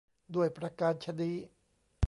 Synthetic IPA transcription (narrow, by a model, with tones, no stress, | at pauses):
du˥˩əjpɾa˧kaː˧nt͡ɕʰa˧diː˧˥